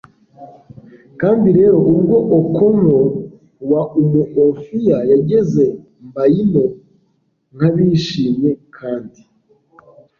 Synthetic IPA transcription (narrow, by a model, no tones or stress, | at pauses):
kaːndiɾe̞ːɾo̞ʔubɡo̞ʔokʰoŋo | waumuʔofijajaɟe̞ze̞ | mbajino̞ | ŋ̥haβiʃiːmje̞kʰaːndi